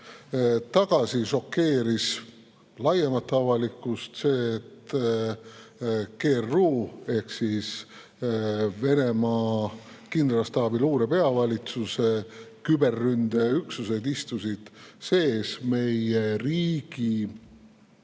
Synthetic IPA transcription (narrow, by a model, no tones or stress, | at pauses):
t̪ɑɡ̥ɑsiʃo̞kːe̞ːɾis | lɑjemɑt̪ːˑɑvɑlikːˑust̪se̞ːt̪ː | ke̞ːrːuːe̞hksis | ve̞ne̞mɑː | kind̪rɑst̪ɑːbiluːɾe̞pe̞ɑvɑlʲit̪suse̞kybe̞rːynd̪̥e̞yksuse̞d̪ist̪usid̪̥se̞ːsme̞jeriːɡ̥i